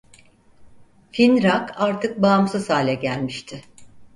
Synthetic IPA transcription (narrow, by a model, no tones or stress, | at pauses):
finɾakaɾt̪ʰɯk̚baːmsɯsaːlʲɛɟælʲmiʃt̪ʰɪ